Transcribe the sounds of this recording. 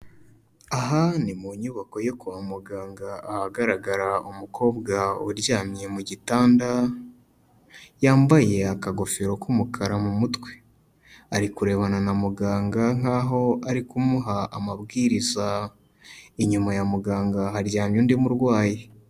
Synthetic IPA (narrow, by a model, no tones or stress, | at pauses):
aɦanimuɲuβako̞jokuβamuɡaːŋɡaːhaɡaɾaɡaɾaumukʰo̞ːbɡauɾɟaːmje̞muɟitaːnda | jaːmbaje̞akaɡo̞feɾo̞kumukʰaɾamumutwe̥ | aɾikuɾe̞ːβananamuɡaːŋɡaŋ̥aːɦo̞aɾikumuɦaamaβɡiːɾiza | iɲumajamuɡaːŋɡaɦaɾɟaːmjuːndimuɾɡwaːji